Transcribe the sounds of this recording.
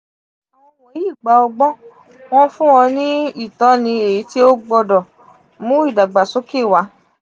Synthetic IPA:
a˨wɔ̃˧wɔ˨˦i˦˨ɡ͡ba˧˦ɔ˧ɡ͡bɔ˦ | w̃ɔ̃˦fũ˦ɔ̃˧nĩ˦i˦˨tɔ˨˦nĩ˧e˨i˨˦ti˦o˦ɡ͡bɔ˧dɔ˨ | mũ˦i˦˨da˨ɡ͡ba˨so˨˦ke˦˨wa˨˦

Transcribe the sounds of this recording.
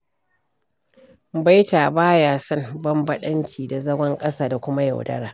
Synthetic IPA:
ba˦jtaː˨baː˦jaː˦sɐ˦mbɐ˦mbɐ˦ɗɐ˦ŋkʲʰiː˨da˨zɐ˦ɡʷɐ˦ŋkʼɐ˦saː˨da˨kʷʊ˦ma˦ja̰˨wdɐ̰˦ɾaː˨

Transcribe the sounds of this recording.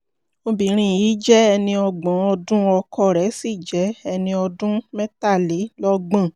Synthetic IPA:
o˧bĩ˨˦ɾ̃ĩ˧˨jiː˨˦d͡ʒɛ˦ɛ˧nĩ˧ɔ˧ɡ͡bã˨˦ɔ˧dũ˦ɔ˧kʰɔ˦˨ɾɛ˨˦si˦˨d͡ʒɛ˨˦ɛ˧nĩ˧ɔ˧dũ˦mɛ̃˦ta˦˨le˨˦lɔ˦ɡ͡bã˦˨

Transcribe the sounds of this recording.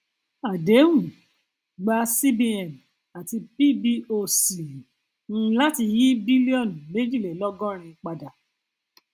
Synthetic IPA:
a˨de˨˦wũ˨ | ɡ͡ba˧si˦bi˧ɛ˨m | a˨ti˧pi˦bi˦o˧sĩ˨˦ | la˦ti˧ji˦bi˦li˦ɔ˦˨n˨me˦d͡ʒi˦˨le˨lɔ˦ɡɔ̃˦ɾ̃ĩ˧k͡pa˧da˨

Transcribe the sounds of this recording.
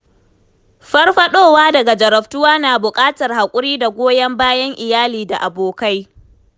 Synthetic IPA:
ɸɐ˦rɸɐ˦ɗoː˦˨waː˦dɐ˨ɡa˨d͡ʒɐ˨ɾɐ˨ɸtʊ˦waː˦naː˨bʊ˨kʼaː˦tɐ˨rha˨kʷʼʊ˦ɾiː˦da˨ɡʷoː˦jɐ˦mbaː˦jɐ˦ŋʔɪ˨jaː˦liː˨da˨ʔa˨boː˨ka˦j

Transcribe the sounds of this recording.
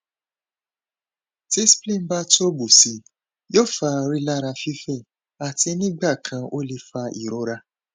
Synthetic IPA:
ti˦splĩ˦˨m̩˦ba˦to˦bu˨si˨˦ | jo˦˨fa˧ɾi˦la˦ɾa˧fi˦fĩ˦˨ | a˨ti˧nĩ˦ɡ͡ba˦˨kʰã˧ʔo˦le˧fa˧ḭ˨ɾɔ˨˦ɾa˧

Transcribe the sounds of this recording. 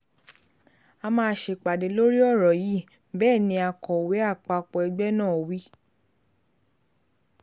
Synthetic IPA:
a˧mãː˦˧˦ʃe˧k͡pa˨de˨˦lo˦ɾi˦ɔ˦˨ɾɔ˨ji˦ | bɛː˦˨nĩ˧˦a˧kɔ˨we˨˦a˦˨k͡pa˧k͡pɔ˧˨ɛ˧ɡ͡bɛ˦nãː˦˨wi˦

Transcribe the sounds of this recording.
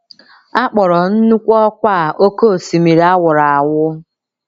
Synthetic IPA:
a˦k͡pɔ˨ɾɔ˨n̩˦nu˦kʷɔ˦kʷa˦˨ʔo˦ko˦˨si˨mi˨ɾa˦wʊ˨ɾa˨a˨wʊ˦

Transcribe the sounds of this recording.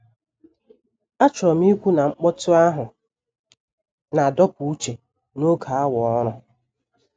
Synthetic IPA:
a˦t͡ʃɔ˨m˦i˦kʷu˦na˨ŋ͡m̩˦k͡pɔ˦tʊ˦a˦ɦʊ˨ | na˨dɔ˦pu˨u˦t͡ʃe˨ | no˦kʰa˨a˦wɔ˨ɔ˦ɾʊ˦

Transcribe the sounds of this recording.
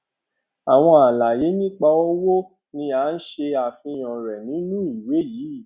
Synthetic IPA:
a˨w̃ɔ̃˧a˨la˨je˨˦nĩ˦k͡pa˧ɔ˦wo˦ | nĩ˧a˨˦n̩˦ʃe˧a˨fĩ˧j̃ɔ̃˨ɾɛ˨nĩ˨˦nũ˦i˨we˨˦jiː˨˦˨

